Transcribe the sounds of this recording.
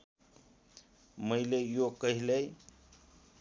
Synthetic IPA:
məjlejokəɦilej

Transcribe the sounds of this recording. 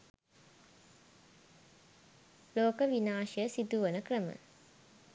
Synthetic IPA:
loːkəʋinaːʃjəsid̪uʋənəkrəmə̰

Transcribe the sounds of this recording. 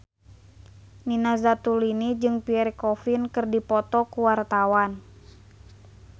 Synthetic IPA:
ninazat̪ulinid͡ʒɨŋpiɛɾikɔfinkɨrdipɔt̪ɔkuwart̪awan

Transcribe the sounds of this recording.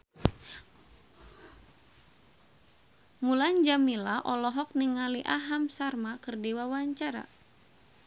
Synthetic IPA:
muland͡ʒamilaʔɔlɔɦɔk̚niŋaliʔaɦamsarmakɨrdiwawaɲt͡ʃaɾa̰

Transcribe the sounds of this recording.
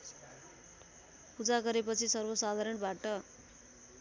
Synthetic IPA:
pud͡zaɡʌɾepʌt͡sʰisʌrbʌsad̪ʱaɾʌnbaʈʌ

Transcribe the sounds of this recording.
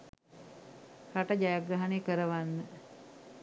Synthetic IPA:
kaʈəd͡ʒajaɡɾaɦanekəɾəʋanːə

